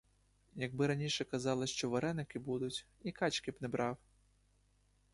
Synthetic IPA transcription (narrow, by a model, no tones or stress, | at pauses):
jɐɡ̚bɪɾɐnʲiʂɛkazɑlˠɐʃt͡ʃɔʋɐɾɛnɪkɪbud̪ʊt͡sʲikat͡ʃkʲipnɛbɾɑw